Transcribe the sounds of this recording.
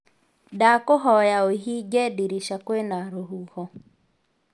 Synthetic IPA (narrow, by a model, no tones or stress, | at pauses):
dakoɦɔjaoɦiɡɛdiɾiʃakwenaɾoɦuhɔ